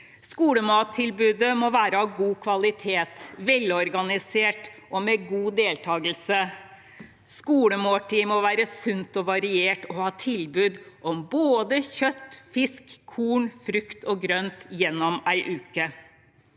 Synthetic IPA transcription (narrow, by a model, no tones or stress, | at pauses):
skuːləmɑːt̪ʰːɪlbʉːd̪əmɔʋæːɾəɑʋɡuːkʰʋɑlɪt̪ʰeːt̪ʋɛlːɔɾɡɑnɪseːʈʔɔmeɡuːd̪eːlt̪ʰɑːɡəl̩sə | skuːləmoːʈiːmɔʋæːɾəsʉnt̪ɔʋɑɾɪeːʈɔhɑːt̪ʰɪlbʉːd̪ʔɔmboːd̪əçœt̪ːfɪskʰːuːɳfɾʉkt̪ʰɔɡɾœnt̪jɛnːɔmæɪʔʉːkə